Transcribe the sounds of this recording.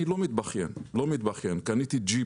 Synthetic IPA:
ilomit̪̚baχjenlomit̪̚baχjenkanit̪id͡ʒi

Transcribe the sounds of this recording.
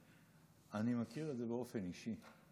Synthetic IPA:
animakiʁed̪zebeofeniʃi

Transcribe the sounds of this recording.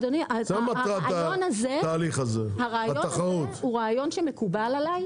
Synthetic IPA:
d̪oniaamaʁatːaonazet̪aːliχazehaʁaːjot̪aχaut̪huʁaːjo̞nʃemekubalalaj

